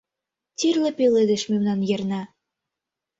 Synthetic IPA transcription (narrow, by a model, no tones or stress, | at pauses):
t̪ʲirlĕpeled̪ĕʃmemnɑnjĕrnɑ